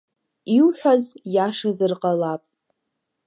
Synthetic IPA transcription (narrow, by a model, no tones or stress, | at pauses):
iwħʷᶣazjaʂazɨrqʼalapʼ